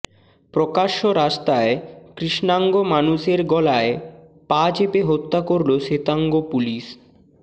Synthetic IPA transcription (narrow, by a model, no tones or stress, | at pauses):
pɾokaʃoɾaʃt̪aekɾiʃnaŋɡomanuʃeɾɡɔlaepad͡ʑepeɦot̪ːakoɾloʃet̪aŋɡopuliʃ